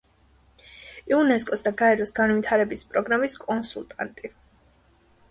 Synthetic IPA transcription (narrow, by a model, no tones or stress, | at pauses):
iunɛskʼɔsd̪aɡaɛɾɔsɡanvit̪ʰaɾɛbispʼɾɔɡɾamiskʼɔnsulˠt̪ʼa̰nt̪ʼi